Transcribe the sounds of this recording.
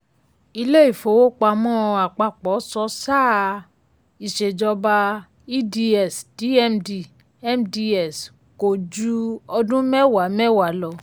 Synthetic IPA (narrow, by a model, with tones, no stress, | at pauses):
i˧le˦i˦˨fo˨˦wo˦k͡pa˧mɔ̃˦˧a˨k͡pa˨k͡pɔ˨˦sɔ˦saː˦˨ | i˨ʃe˨d͡ʒɔ˧ba˧ | i˦di˧ɛ˨sd̥i˨˦ɛ˦mdi˨ | ɛ˦mdi˧ɛ˨s | ko˨d͡ʒu˦ɔ˧dũ˦mɛ˦wa˨˦mɛ˦wa˨˦lɔ˦˨